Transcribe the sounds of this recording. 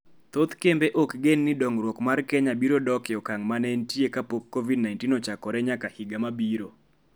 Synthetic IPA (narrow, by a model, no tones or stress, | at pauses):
t̪ot̪kembeʔokɡenːɪdɔŋɾwɔkmarkɛɲabiɾodɔkɪɔkaŋmanɛntjekapokːovidnajntinɔt͡ʃakɔɾɛɲakahiɡamabiɾo